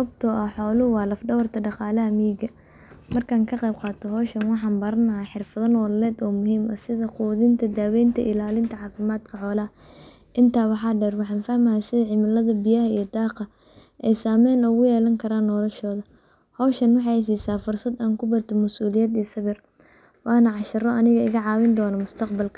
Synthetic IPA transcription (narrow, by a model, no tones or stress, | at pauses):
sɐɐb̚t̪ʰɔʔɐħɔːlʊwɑːlɐfɖɐwɐrt̪ʰɐɖɑqɑːlɐɦɐmiːɡɐ | mɐrkʰaːŋkʰɐqɛjb̚qɑːt̪ʰɔɦɔːʃɐnwɑħɑːnbɐɾɐnɐħɪrfɐðɐnɔːlɐlɛːd̪ɔːmʊɦiːmɐsɪðɐquːðɪnt̪ʰɐd̪aːwɛjnt̪ʰɐ̰ʔɪlaːlɪnt̪ʰɐʕɑːfɪmaːd̪kʰɐħɔːlɐhɐ | ʔɪnt̪ʰaːwɑħɑːɖɛːrwɑħɑːnfahmɐhɛjsɪðɐʕɪmɪlɐðɐbɪjɐhɐijɞd̪ɑːqɑ | ʔɛjsaːmɛːnʊɣʊjɛːlɐŋkʰɐɾaːnːɔːlɐʃɔːðɐ | hɔːʃɐnwɑħɑjs̬iːsaːfʊrsɐd̪aːŋkʰʊbɐrt̪ʰɔmɐsuːlɪjɛːd̪isɐβɪr | wɑːnɐʕɑʃɐrɔʔɐnɪɣɐɪɣɐʕɑːwɪnd̪ɔːnɐmʊst̪ʰɐqbɐlkʰɐ̥